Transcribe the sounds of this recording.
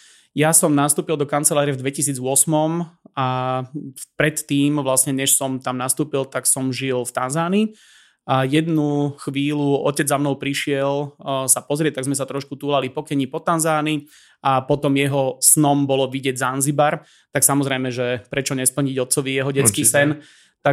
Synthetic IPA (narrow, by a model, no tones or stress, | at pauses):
jasɔmnast̪uːpild̪ɔkant͡sɛlaːɾɛvd̪ʋɛcis̬iːd͡zʊɔsmɔma | pɾɛt̪ːiːmʋlasɲɛɲɛʃsɔmt̪amnast̪uːpilt̪aksɔmʒilft̪anzaːni | ajɛd̪nuxʋiːluɔ̰cɛd͡zzamnɔʊpɾiʃɪɛlsapɔzɾɪɛc̚t̪aɡzmɛs̬at̪ɾɔʃkut̪uːlalipɔkɛɲipɔt̪anzaːni | ʔapɔt̪ɔmjɛɦɔsnɔmbɔlɔʋiɟɪɛɟzanzibaɾ | t̪aksamɔzɾɛjmɛʒɛpɾɛt͡ʃɔɲɛspl̩ɲiɟɔt̪̚t͡sɔʋijɛɦɔɟɛt͡skiːsɛn | t̪a